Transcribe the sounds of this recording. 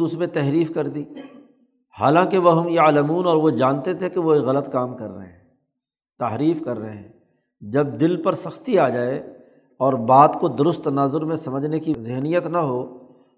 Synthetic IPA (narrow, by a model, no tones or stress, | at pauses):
usmẽt̪ɛɦɾiːfkɐɾd̪iː | ha̰ːlãkeʋoɦʊmjɐːləmuːnɔːɾʋod͡ʒaːnt̪et̪ʰekeʋoeɣɐlət̪kaːmkɐɾːə̰ɦeɦɛ̃ː | t̪aɦɾiːfkɐɾːəɦeɦɛ̃ː | d͡ʒɐb̚d̪ɪlpɐɾsɐxt̪iaːd͡ʒaːe | ɔːɾbaːt̪kod̪ʊɾʊst̪ːɐnaːzʊɾmẽsɐməd͡ʒʱnekizɪɦnijət̪nɐɦoː